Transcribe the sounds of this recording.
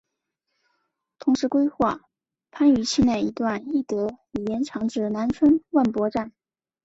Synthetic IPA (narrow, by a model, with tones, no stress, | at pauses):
t̪ʰʊ˧˥ŋʂɻ̩˧˥kwe˥ɪxwa˥˩ | pʰa˥ny˧˥t͡ɕʰi˥˧nje˥˩ɪi˧˥t̪wa˥˧ni˥˩t̪ɤ˧˥li˨˩jɛ˧˥nʈ͡ʂʰɑ˧˥ŋʈ͡ʂɻ̩˥˩na˧˥nt͡sʰwə˥nwa˥˩npwɔ˧˥ʈ͡ʂa˥˩n